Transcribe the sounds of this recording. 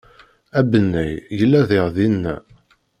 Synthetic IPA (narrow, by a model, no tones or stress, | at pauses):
æbənːæjjəlːæðɪʁðinːæ̰